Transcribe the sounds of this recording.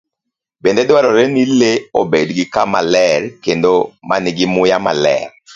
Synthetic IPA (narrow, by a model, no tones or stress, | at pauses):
bendɛdwaɾɔɾɛnileobedɡɪkama̰lɛɾkendoma̰nɪɡɪmʊjama̰lɛ̰ɾ